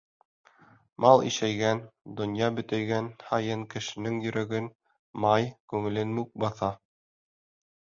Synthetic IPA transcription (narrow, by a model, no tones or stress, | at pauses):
mɑlˠḭʃæjɡænd̪ŏnjɑbɵ̆t̪æjɡænhɑjɤŋkɘ̆ʃɘ̆nɘŋjɵ̆ɾʔæɡɘn | mɑjkʉŋɘ̆lɘnmuk̚bɑθɑ